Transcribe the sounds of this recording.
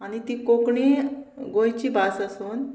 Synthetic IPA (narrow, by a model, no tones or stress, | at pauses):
aɽ̃it̪iːkokɳiɡojt͡ɕiːbasəsuːn